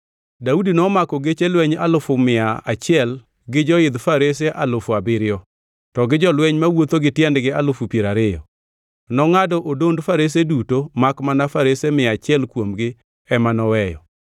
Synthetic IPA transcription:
daudinɔmakɔɡet͡ʃelwɛɲalʊfʊmɪaa̰t͡ʃɪɛl | ɡɪd͡ʒɔɪd̪faɾeseʔalofuabɪɾɪɔ | tɔɡɪd͡ʒɔlwɛɲmawot̪oɡɪtjɛndɡɪalʊfupjeɾaɾɪjɔ̰ | nɔŋadɔʔodondfaɾes̬edutomakmanafaɾesemɪat͡ʃɪɛlkwomɡɪ | ɛmanɔwɛjɔ

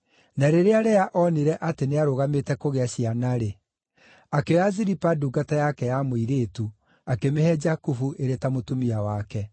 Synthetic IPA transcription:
naɾeɾeaɾɛaʔɔniɾɛʔateneaɾoɣametɛkoɣeaɕianaɾe | akeɾaziɾipaduɡatajakɛjamoiɾeːtu | akemehɛd͡ʒakufuʔeɾetamotumiawakɛ

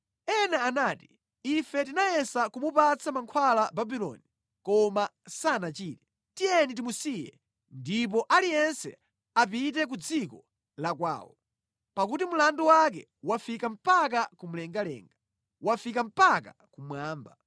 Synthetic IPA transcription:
ɛnaːnaːti | ifɛtinajɛsakumupat͡sʰamaŋkʰwalababilɔ̰ni | kɔmasanat͡ʃiːtɛ | tijɛnit̬imusijɛ̰ | ndip̬ɔʔalijɛnsɛ̰ | ap̬it̬ɛk̬ud͡zikɔ | lakwa̰ːwɔ̰ | pakutimulanduwakɛ̰ | wafikam̩pakakum̩lɛŋɡalɛ̰ːŋɡa | wafikam̩paka | kumwaːmba

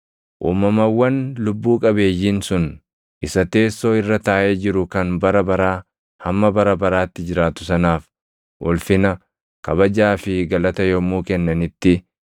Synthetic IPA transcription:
ʔṵːmːɐmɐwːɐnlʊbːuːkʼɐbe̞ːjːiːnsʊn | ʔɪsɐt̪e̞ːsːo̞ːɪrːɐt̪aːʔeːd͡ʒɪɾʊkɐnbɐɾɐbɐɾaː | hɐmːɐbɐɾɐbɐɾaːt̪ːɪd͡ʒɪɾaːt̪ʊ̥sɐnaːf | ʔɔlfɪnɐ | kɐβɐd͡ʒaːfɪɡɐlɐt̪ɐjɔmːuːkɛnːɐnɪt̪ːɪ

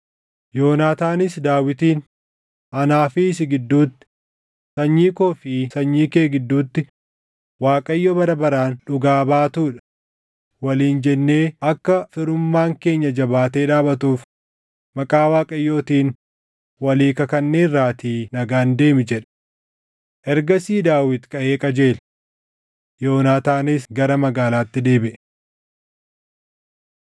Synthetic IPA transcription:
jo̞ːnaːt̪aːnɪsd̪aːwɪt̪iːn | ɐnaːfɪs̬ɪɡɪd̪ːuːt̪ːɪ̥ | sɐɲːiːkoːfɪsɐɲːiːkeːɡɪd̪ːuːt̪ːɪ | waːkʼɐjːoːbɐɾɐbɐɾaːnᶑʊɡaːbaːt̪uːᶑɐ̥ | wɐliːnd͡ʒɛnːe̞ːɐkːɐfɪɾʊmːaːŋke̞ːɲːɐd͡ʒɐbaːt̪e̞ːᶑaːbɐt̪uːf | mɐkʼaːwaːkʼɐjːoːt̪iːn | wɐliːkɐkɐnːe̞ːrːaːt̪inɐɡaːnd̪e̞ːmɪd͡ʒɛᶑ | ʔɛɾɡɐsiːd̪aːwɪt̪kʼɐʔe̞ːkʼɐd͡ʒe̞ːl | jo̞ːnaːt̪aːnɪsɡɐɾɐmɐɡaːlaːt̪ːɪd̪e̞ːbɪʔ

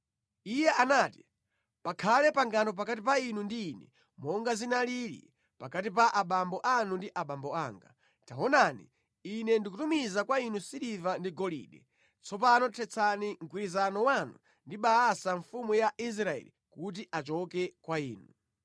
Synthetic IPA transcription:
ijɛʔanaːti | pakʰalɛpaŋɡanɔp̬akatip̬ainundiːnɛ̰ | mɔŋɡazinalilḭ | pakatip̬aʔaɓambɔʔanundiʔaɓambɔaːŋɡa̰ | tawɔnanḭ | inɛndikutumizakwainusilivandiɡɔlḭːɗɛ̰ | t͡sʰɔpanɔtʰɛt͡sʰaniŋkwiɾizanɔwanu | ndiɓaːsaɱfumujaʔis̬ɾaɛ̰li | kut̬iʔat͡ʃɔkɛkwaiːnu

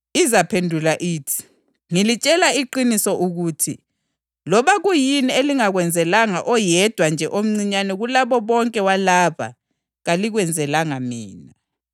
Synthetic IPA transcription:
izapʰendʱulaʔiːtʰi̥ | ŋilit͡ʃʼɛlaiǃinisɔʔuɣutʰḭ | lɔβaɣujinieliŋaɣwɛnd͡zʱɛlaŋaʔɔjɛd̥ʱwand͡ʒʱɛʔom̩ŋ͡ǀiɲanɛɣulaβɔβɔŋkʼɛwalaβa̰ | ɣaliɣwɛnd͡zʱɛlaŋamḭːna

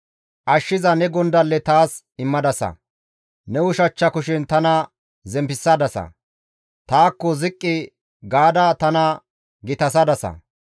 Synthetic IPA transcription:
ʔɐʃːɪzɐnɛɡɔnd̪ɐlːɛt̪aːs | ɪmːɐd̪ɐsɐ̰ | nɛwʊʃɐt͡ʃːɐkʊʃɪnt̪ɐnɐ | zɛmpɪsːɐd̪ɐsɐ̰ | t̪aːkːɔzɪkʼːɪ | ɡaːd̪ɐt̪ɐnɐ | ɡɪt̪ɐs̬ɐd̪ɐsɐ̰

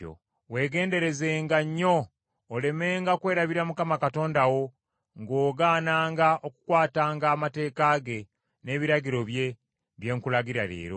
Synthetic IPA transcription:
o̰ | we̞ːɡe̞ːnde̞ɾe̞ze̞ːŋɡaɲːo̞ː | le̞me̞ːŋɡakwe̞ːɾaβiɾamukamakato̞ːndawo̞ | ŋɡo̞ːɡaːnaːŋɡaʔo̞kukwaːtaːŋɡaːmate̞ːkaɡe̞ | ne̞ːβiɾaɟiɾo̞βje̞ | βje̞ːŋkulaɡiɾaɾḛːɾo

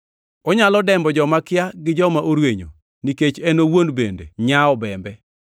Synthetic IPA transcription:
ɔɲalɔdɛmbɔd͡ʒɔmakɪjaɡɪd͡ʒɔmaʔoɾweɲo̰ | niket͡ʃenowonbendḛɲaɔbɛmbɛ

